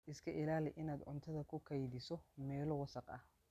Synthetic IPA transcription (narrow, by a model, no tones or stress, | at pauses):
ʔɪskʰɐʔɪlaːlɪʔɪnaːd̪ʕʊnt̪ʰɐðɐkʰʊkʰɐjdɪsɔmɛːlɔwɑsɐqɐ̰h